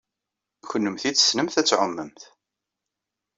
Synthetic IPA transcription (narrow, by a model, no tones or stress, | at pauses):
çənːəmθit͡sːə̥snəmθæt͡sːʕʊmːəmθ